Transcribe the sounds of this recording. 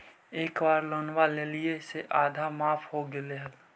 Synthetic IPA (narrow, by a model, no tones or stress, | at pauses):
eːkbaːɾloːnwaːlelieseʔaːd̪ʱamaːpʰɦoɡeleɦəl